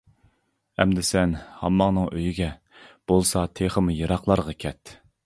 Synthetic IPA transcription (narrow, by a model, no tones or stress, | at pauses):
ɛmd̪ɪsɛnhɑmːɑŋnɨŋøjyɡʲɛ | b̥olˠsɑt̪ʰeχəmujɑɾɑqlˠɑɾʁɑkʲʰɛt̪